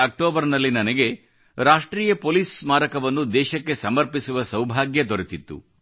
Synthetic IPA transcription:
ɐk̚ʈoːbɐɾnɐlːinɐnɐɡe̞ | ɾaːʂʈɾiːjɐpoːliːsmaːɾɐkɐʋɐnːud̪ɛːʃɐkːe̞sɐmɐɾpisuʋɐsɐwbʱaːɡjɐd̪oɾet̪it̪ːṵ

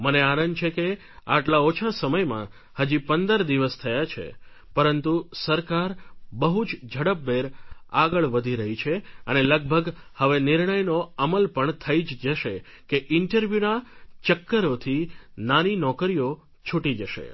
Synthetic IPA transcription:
məneanənt͡ʃʰeke | a̰ʈlaot͡ʃʰasəməjmã̰ | həd͡ʒipənd̪əɾd̪iʋəst̪ʰəjat͡ʃʰḛ | pəɾənt̪usəɾkaɾbəɦud͡ʒd͡ʒʱəɽəp̚ːeɾaɡəɭʋəd̪ʱiɾəɦit͡ʃʰeəneləɡ̚bʱəɡhəʋenɪɾɳəjnoəməlpəɳt̪ʰəid͡ʒd͡ʒəʃe | keʔɪɳʈəɾʋjunat͡ʃəkːəɾot̪ʰinaninɔkəɾijo | t͡ʃʰuʈid͡ʒəʃḛ

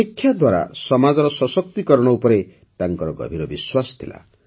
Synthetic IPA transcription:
ekʰːjad̪waɾa̰sʌmad͡zɔɾʌsʌsʌk̚t̪ikʌɾɽ̃ɔupʌɾe | t̪aŋkʌɾɔɡʌ̰bʱiɾɔbiswast̪ʰila̰

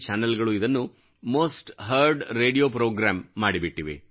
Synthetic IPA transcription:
t͡ʃaːnɐlɡɐɭuid̪ɐnːu | moːsʈɦɐɾɖɾe̞ːɽijoːpɾoːɡɾaːmːaːɽibiʈːiʋḛ

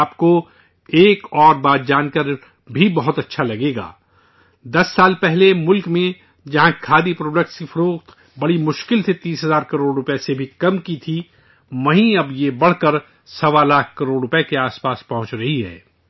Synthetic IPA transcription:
pko | eːkɔːɾbaːd̪̚d͡ʒaːnkəɾ | bʱibɐɦʊt̪ɐtːʃʰalɐɡeːɡa̰ː | d̪ɐsːaːlpɛɦlemʊlkmẽ | d͡ʒɐɦãkʰaːd̪ipɾoːɖək̚ʈskifɐɾoːqt̪ | bɐɽimʊʃkɪlt̪ʰit̪iːsɦɐzaːɾkɐɾoːɽɾʊpesebʱikɐmkit̪ʰi | ʋɐɦĩɐbjebɐɽ̤kəɾ | sɐʋalaːkʰkɐɾoːɽɾʊpekeaːspaːspɐɦʊ̃t͡ʃɾɐɦiɦɛ̰ː

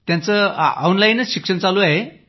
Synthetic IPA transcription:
t̪jãnt͡səɔwnlajinəɕikʂənt͡saluaɦe

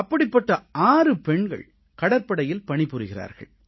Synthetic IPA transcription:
ɐpːɐɽɪpːɐʈːɐaːrɯpɛɳɡɐ̰ɭ | kɐɽɐɾpɐɽɐjɪlpɐɳɪpːɯɾɯɣɪra̰ːɾɣɐ̰ɭ

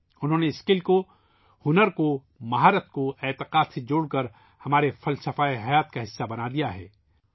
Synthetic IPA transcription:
ʊnɦõːneɪskɪlko | hʊnəɾko | mɐɦaːɾət̪̚koɛːt̪ɪqaːd̪sed͡ʒoːɽkɐɾ | hɐmaːɾefɐlsɐfaːeɦɐjaːt̪kaɦɪsːabɐnad̪ijaɦɛ̰ː

